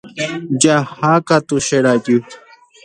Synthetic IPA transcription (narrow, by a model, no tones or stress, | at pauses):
d͡ʑahaːkat̪uɕeɽaːt̪ju